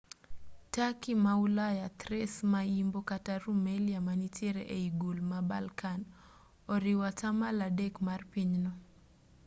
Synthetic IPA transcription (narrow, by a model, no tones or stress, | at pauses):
takimaulajat̪ɾɛsmaimbokataɾumɛliamanitjeɾḛʔeiɡulmabalkan | ɔɾiwatamaladɛkmarpiɲnɔ